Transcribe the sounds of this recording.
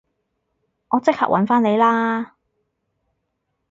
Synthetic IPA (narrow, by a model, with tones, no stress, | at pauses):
ŋɔː˨˧t͡sɪ˥k̚ha̰ː˨k̚ʔɐ̰˨˥nfaː˥ne˨˧jlaː˥